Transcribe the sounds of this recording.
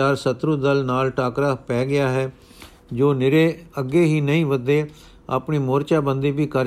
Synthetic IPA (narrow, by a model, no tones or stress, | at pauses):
aːɾsət̪ɾʊd̪əlnaːlʈaːkɾaːpɛːɡɪaːɦɛː | d͡ʒoːnɪɾeːəɡeːɦiːnəĩːʋəd̪eː | a̰pɳiːmoːɾt͡ʃaːbənd̪eːbiːkəɾ